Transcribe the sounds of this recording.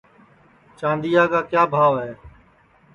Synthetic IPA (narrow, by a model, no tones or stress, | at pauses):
t͡ʃãːnd̪ijaːkaːkjaːbʱaːʋeː